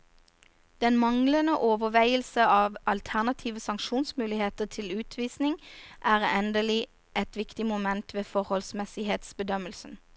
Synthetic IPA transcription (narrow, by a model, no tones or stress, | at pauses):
d̪̥ɛnmɑŋlənəʔoːʋəʋæɪəlsəɑːʋɑlt̪ʰæʁnɑt̪ʰiːʋəsɑŋʃuːnsmʉːlɪheːt̪ət̪ʰɪlʉːt̪ʰʋiːsnɪŋʔæːʁɛnd̪əlɪ | ʔɛt̪ʋɪkt̪ɪmʊmɛnt̪ʰʋeːfɔʁhɔlsmɛsɪɦeːt̪sbəd̪œməlsən̩